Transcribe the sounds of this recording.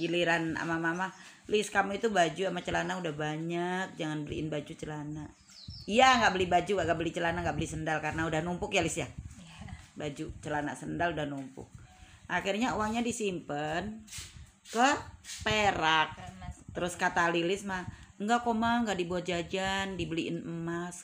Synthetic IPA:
kiliɾana̰mamama | lɪskamuit̪ubad͡ʒuamat͡ʃəlanaudahbaɲak̚d͡ʒaŋanbəlḭɪ̰nbad͡ʒut͡ʃəlanaʔ | ijaŋɡaʔbəlɪbad͡ʒuŋɡaʔŋɡaʔbəlit͡ʃəlanaʔŋɡaʔbəlisəndalkarənaudahnumpʊkjalɪsja | bad͡ʒut͡ʃəlana̰səndaludahnumpʊ̰k̚ʔakirɲaowaŋɲadisimpən | kəpeɾak̚t̪əɾʊskat̪alilɪsmaŋɡakomaŋɡaʔdibuat̪̚d͡ʒad͡ʒandibəliʔɪ̰nəmas

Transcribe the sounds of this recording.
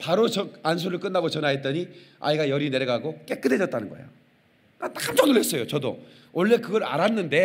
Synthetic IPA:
paɾot͡ɕʌans̬ʰuɾɯɭk͈ɯnːaɡot͡ɕʌnɦaɦet̚t͈ʌɲia̰iɡajʌɾine̞ɾjʌɡaɡok͈e̞k͈ɯdɦe̞d͡ʑʌt̚t͈anɯnɡʌḛjo | nat͈amt͡ɕʌnɯɭe̞s͈ʌjot͡ɕʌdo̰ | ʔʌɭːe̞kɯɡʌɾa̰ɾanːɯnde̞

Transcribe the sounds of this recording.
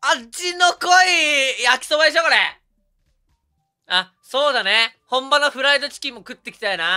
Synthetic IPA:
at͡ɕinokoijakʲi̥sobad̪e̞ɕo̞ko̞ɾe | a | so̞ːd̪ane̞hõ̞mbanoɸɯ̟ɾaid̪o̞t͡ɕi̥kʲimːo̞kɯ̟t̪ːe̞kʲi̥t̪aina

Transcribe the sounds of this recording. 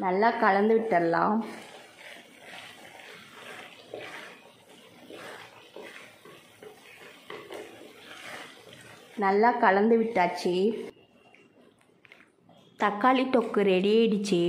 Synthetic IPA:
nɐlːaːkɐɻɐnd̪ɯʋɪʈːɐlːa̰ːm | nɐlːaːkɐɭɐnd̪ɯʋɪʈːaːt͡ʃːeː | t̪ɐkːaːɭit̪ːɔkːɯɾeɽɪjeːɪɽɯt͡ʃːeː

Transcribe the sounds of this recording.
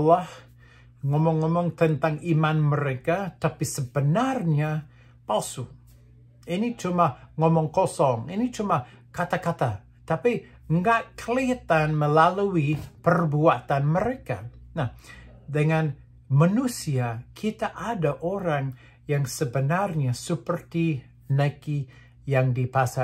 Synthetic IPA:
alah | ŋɔmɔŋːɔmɔŋt̪ənt̪aŋimanməɾekat̪apisəbənarɲa | palsu | init͡ʃumaŋɔmɔŋkɔsɔŋinit͡ʃumakat̪akat̪a | t̪api | ŋɡaʔkəlit̪anməlaluipərbuat̪anməɾeka̰nah | dəŋan | manusiakʰit̪aʔadaʔoɾaŋ | jaŋsəbənarɲasəpərt̪i | naki | jaŋdipasa

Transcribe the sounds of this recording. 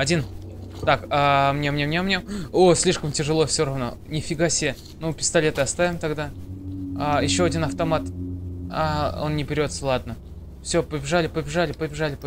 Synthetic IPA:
ɐdʲin | t̪akamnʲemnʲemnʲemnʲemosʲlʲiʂkəmtʲɪʐɨlˠo̞fsʲoɾɐvno̞̰ | nʲɪfʲɪɡasʲɪ | nupʲɪ̥st̪ɐlʲe̞t̪ɨɐst̪avʲɪmt̪ɐɡd̪a | ajɪɕːoɐdʲinɐft̪ɐmat̪ao̞̰nnʲɪbʲɪɾʲo̞t̪səlˠad̪nə | fsʲo̞pəbʲɪʐalʲɪpəbʲɪʐalʲɪpəbʲɪʐalʲɪp

